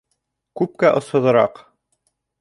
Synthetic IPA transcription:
kʉp̚kæʔŏshŏðɤ̆ɾɑ̰q

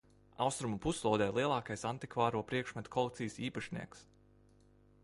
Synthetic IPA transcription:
a̰wst̪ɾumupuslˠɔwd̪ɛjlˠiɛlˠɑːkajsant̪ikvaːɾuɔpɾiɛkʃmat̪kʰɔlˠek̚t̪sijsiːpaʃnḭɛks

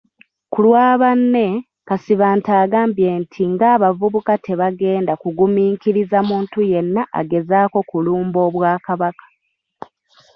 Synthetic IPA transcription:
kulwaːβanːe̞ | kasiβaːntaːɡaːmbjeːntʰiŋɡaːβavuβukate̞βaɡe̞ːndakuɡumiːŋkiɾizamuːntuje̞nːaʔa̰ɡe̞zaːko̞kuluːmbo̞ːβwaːkaβakḁ

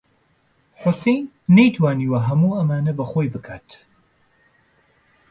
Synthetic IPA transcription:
ħʊsejnː | ɛjt̪ʰwaːniwɐɦɐmuːɐmaːnɐbɐxoːjbɨkʰaːt̪

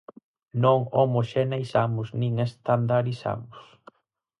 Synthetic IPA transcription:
nõŋomoʃenejsamʊsnĩŋest̪and̪aɾisa̰mʊs

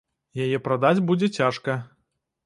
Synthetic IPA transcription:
jajɛpɾad̪ad͡zʲbud͡zʲɛt͡sʲaʂkɐ

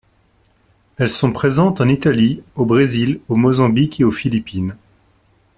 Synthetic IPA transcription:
ɛlsɔ̃pχezɑ̃t̪ɑ̃nit̪aliobʁezilomozɑ̃bikeofilipin

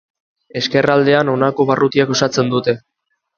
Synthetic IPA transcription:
e̞ske̞rald̪e̞ano̞nako̞βarut̪iako̞sat͡se̞nd̪ut̪e̞

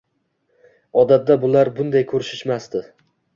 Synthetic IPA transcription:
ɒd̪at̪̚d̪abʊlaɾbʊnd̪ajkʰɵɾɪʃɪʃmast̪ɪ

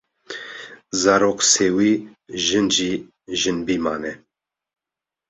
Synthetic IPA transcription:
zaːɾoːqsewiːʒɨnd͡ʒiː | ʒɨnbiːmaːnɛ

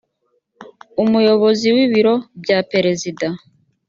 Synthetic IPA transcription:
umujo̞βo̞ziwiβiɾo̞bɟape̞ɾe̞zida

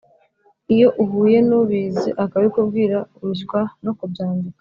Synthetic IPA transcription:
ijo̞ʔuɦuːje̞nuβiːzḭʔakaβikubɡiːɾauʒɡwano̞kubjaːndikḁ

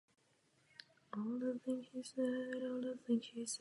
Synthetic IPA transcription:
ɔlˠðəθɪ̃ŋhisɛɾɔlˠðəθɪ̃ŋhis

